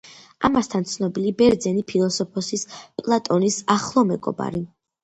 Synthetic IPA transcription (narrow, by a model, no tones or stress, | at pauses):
a̰mast̪ʰant̪sʰnɔbilibɛɾd̪zɛnipʰilˠɔsɔpʰɔsispʼlˠat̪ʼɔnisaχlˠɔmɛɡɔ̰ba̰ɾi